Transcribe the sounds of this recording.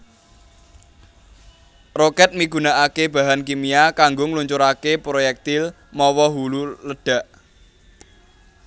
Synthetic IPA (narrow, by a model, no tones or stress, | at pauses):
rokɛt̪̚miɡ̥ṳnaʔakeb̥ä̤ɦankimiakaŋɡʊŋluɲt͡ʃʊɾakepɾojɛk̚t̪il | mɔwɔɦululəɖ̥a̤ʔ